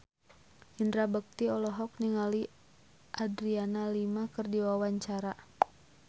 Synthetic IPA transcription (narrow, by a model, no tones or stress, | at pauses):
hindɾabək̚t̪iɔlɔɦɔk̚niŋali | ʔadɾianalimakərdiwawaɲt͡ʃaɾa